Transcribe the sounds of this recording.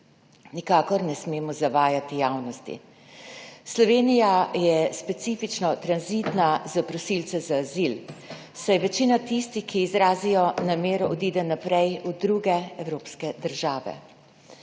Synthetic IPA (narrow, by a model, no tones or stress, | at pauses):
nikaːkɔɾnɛsmeːmɔzaʋaːjat̪ijawnɔst̪ḭ | slɔʋeːnijajɛspɛt̪siːfit͡ʃnɔt̪ɾanzit̪nazapɾɔsilt̪sɛzaːzil | sajʋɛt͡ʃiːnat̪ist̪ixkiːzɾaːzijɔnameːɾɔʔɔd̪iːd̪ɛnapɾɛjud̪ɾuɡɛɛwɾoːpskɛd̪əɾʒaːʋɛ̰